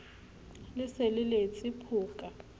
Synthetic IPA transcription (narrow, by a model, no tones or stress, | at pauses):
lɪselɪlet͡sʼɪpʰʊːkʼa